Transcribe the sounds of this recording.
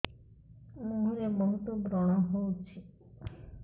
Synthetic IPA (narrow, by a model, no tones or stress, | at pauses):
moɦuɾebɔɦut̪obɾɔɽ̃aɦowt͡ɕʰe